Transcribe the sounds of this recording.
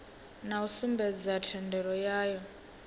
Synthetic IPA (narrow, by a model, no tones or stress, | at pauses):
nausimbɛd͡zatʰɛndɛɾɔjaːjɔ